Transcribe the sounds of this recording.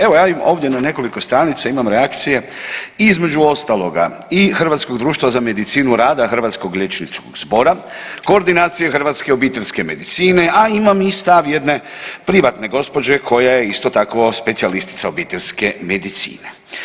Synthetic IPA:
e̞ʋo̞jaːimo̞ːʋd̪jenane̞ko̞liko̞st̪ɾaːnit̪saimamɾeakt̪sije̞ | izme̞d͡ʒuo̞st̪alo̞ɡa̰ | ixrʋat̪sko̞ɡd̪ɾuːʃt̪vʋazame̞d̪it̪siːnuɾaːd̪axr̩ʋat̪sko̞ɡlʎe̞t͡ʃnit̪sko̰ɡzbo̞ɾa | ko̞ːɾd̪inaːt̪sijexr̩ʋat̪skeobiːt̪e̞ʎʲske̞me̞d̪it̪siːne̞aimamist̪aʋje̞d̪ne̞pɾiʋat̪ne̞ɡo̞spo̞d͡ʒekʰo̞jajeist̪o̞t̪akʋo̞spe̞t̪sialist̪i̥t̪saobiːt̪elʲske̞me̞d̪it̪sḭːne

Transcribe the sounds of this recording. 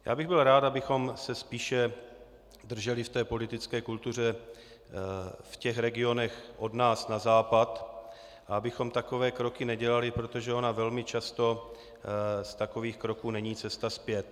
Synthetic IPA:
ja̰ːbɪɣbɪlɾaːt̪abɪxo̞msɛspiːʃɛ | d̪r̩ʒɛlɪft̪ɛːpo̞lɪt̪ɪt͡skɛːkult̪ur̝ɛ | fcɛxɾɛɡɪo̞nɛxʔo̞dnaːsnazaːpat̪ | ʔaabɪxo̞mt̪ako̞vɛːkɾo̞kɪnɛɟɛlalɪpɾo̞t̪o̞ʒɛo̞navɛlmɪt͡ʃast̪o̞ | st̪ako̞viːxkɾo̞kuːnɛɲiːt͡sɛst̪aspjɛt̪̚

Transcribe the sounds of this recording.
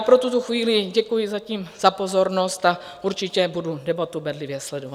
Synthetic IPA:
pɾot̪ut̪oxviːlɪɟɛkujɪzaciːmz̥apo̞zo̞ɾnost̪a | ʔuɾt͡ʃɪcɛbududɛbat̪ubɛdlɪvjɛslɛdova

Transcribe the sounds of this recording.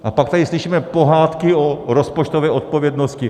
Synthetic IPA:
ʔapak̚t̪adɪslɪʃiːmɛpo̞ɦaːt̪kɪoɾospot͡ʃt̪ovɛːʔo̞t̪̚povjɛdnoscɪ

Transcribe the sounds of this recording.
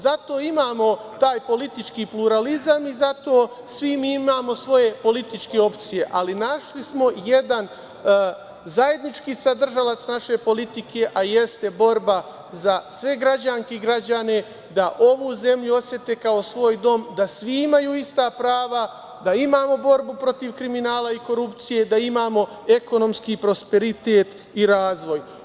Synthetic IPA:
zat̪o̞ːimaːmo̞t̪aːjpo̞lit̪it͡ʃkiːpluɾalizamizat̪o̞ː | sʋimiːimaːmo̞sʋo̞je̞po̞lit̪it͡ʃke̞o̞pt̪sije̞ʔalinaʃlismo̞je̞d̪an | zaje̞d̪nit͡ʃkiːsad̪r̩ʒalat̪snaʃe̞po̞lit̪ike̞ʔaje̞st̪e̞bo̞ɾba | zasʋe̞ɡɾad͡ʑaŋkeɡɾad͡ʑane̞ | d̪aʔo̞ʋuze̞mʎuo̞sje̞t̪e̞ːkao̞sʋo̞ːjd̪o̞md̪asʋiimajuːist̪apɾaːʋa | d̪aimaːmo̞bo̞ɾbupɾo̞t̪iʋkɾiminaːlaiko̞ɾupt̪sije̞d̪aimaːmo̞ | e̞ko̞no̞mskipɾo̞spe̞ɾit̪e̞ːt̪ | iɾaːzʋo̞j

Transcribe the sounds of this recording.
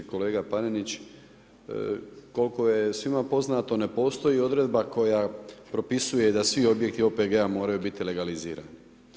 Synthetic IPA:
ko̞le̞ːɡapanenit͡ɕ | ko̞lko̞jesʋimapo̞znat̪o̞ne̞po̞ːst̪o̞jio̞d̪ɾe̞d̪bako̞japɾo̞pisujed̪asʋio̞bje̞k̚t̪io̞peɡeamo̞ːɾajubit̪ile̞ɡalizḭːɾa̰ːni

